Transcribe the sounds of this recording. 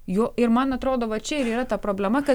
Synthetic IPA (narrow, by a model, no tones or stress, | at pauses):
joːʔɪɾmɐnɐt̪ɾoːd̪oːʋɐt͡ʃʲɛɪɾiːɾɐt̪ɑpɾoːbʲlʲɛmɐkɐ